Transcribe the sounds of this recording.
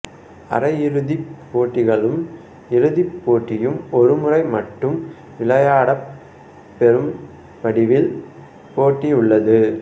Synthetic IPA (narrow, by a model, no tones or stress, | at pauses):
ɐ̰rɐjɪɾɯðipːoːʈːɪɣɐɭɯm | ɪɾɯðipːoːʈːɪjɯmɔɾɯmɯrɐɪmɐʈːɯm | ʋɪɭɐjaːɽɐ | pːɛɾɯm | pɐɽɪʋɪl | poːʈːiʊɭːɐðɯ